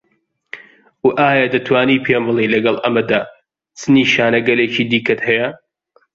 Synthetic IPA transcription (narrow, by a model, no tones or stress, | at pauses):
wʔaːjad̪ɐt̪ʰwaːniːpʰemɨlˠiːnlɐɡɐlˠʔɐmɐd̪aː | t͡sɨniːʃaːnɐɡɐleːt͡ʃiːd̪iːkɐt̪hɛjɐ